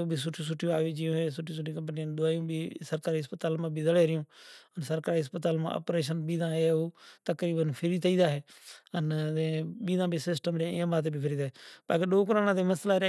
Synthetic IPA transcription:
obʱiːsʊʈʰːũːs̬ʊʈʰːijõaːʋeːd͡ʒijõːɦeːsʊʈʰːĩːs̬ʊʈːiːkəmpnijãːd̪ʊaːjũːbʱiːsəɾkaːɾiːɦəspət̪aːlmãːbʱiːzəleːɾɪjõːənsəɾkaːɾiɦəspət̪aːlmã̰ə̰pɾeːʃənɓiːd̪ãːeoːt̪əkɾiːbənpʰɪɾiːt̪əiːd̪aːɦeːəneɓiːd̪ãːbʱiːsɪsʈəmɾãːãːbãːt̪eːbʱiːpʰɪɾiːd̪aːɦeːɓaːkeːɗoːk̬ɾãːnãːt̪eːməslaːɾ

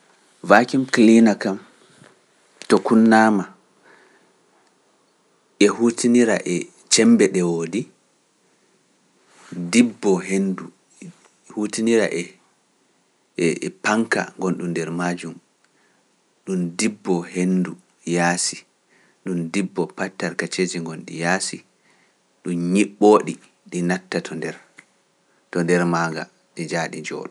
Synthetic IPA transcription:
vaːkimklinakam | tɔkunːaːma | ʔɛhuːtiniɾaʔɛ | t͡ʃɛmbɛɗɛwoːdi | dibːɔɦendu | hutiniɾa̰ʔɛ | paŋka̰ŋɡɔnɗundɛɾmad͡ʒum | ɗumdibːɔɦendu | jaːsi | ɗumdibːɔpatːaɾkat͡ʃed͡ʒiŋɡɔnɗḭjasi | ɗumɲiɓːoːɗi | ɗinatːatʰɔndɛɾ | tɔndɛɾmaŋɡa̰ | ɗid͡ʒaːɗid͡ʒɔ̰ːɗɔ

